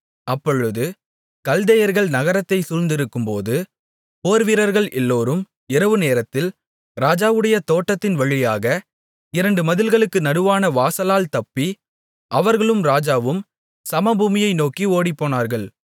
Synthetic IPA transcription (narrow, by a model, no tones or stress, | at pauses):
ɐpːɔɻɯðɯ | kɐld̪ɐjɐɾɣɐɭnɐɣɐɾɐt̪ːɐɪsʊɻnd̪ɪɾɯkːɯmpoːðɯ | poːɾʋɪɾɐɾɣɐɭʔɛlːoːɾɯm | ɪɾɐʋɯneːɾɐt̪ːɪl | ɾaːd͡ʒaːʋɯɽɐjɐt̪oːʈːɐt̪ːɪnʋɐɻɪjaːɣɐ | ɪɾɐɳɖɯmɐðɪlɣɐɭɯkːɯnɐɽɯʋaːnɐʋaːsɐlaːlt̪ɐpːi | ʔɐʋɐɾɣɐɭɯmɾaːd͡ʒaːʋɯm | sɐmɐbuːmɪjɐɪnoːkioːɽipːoːnaːɾɣɐɭ